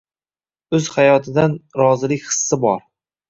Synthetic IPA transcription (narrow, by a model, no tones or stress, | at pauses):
ɵz̥hajɒt̪ʰɪd̪anɾɒzɪlɪkʲχɨ̥sːɪbɒɾ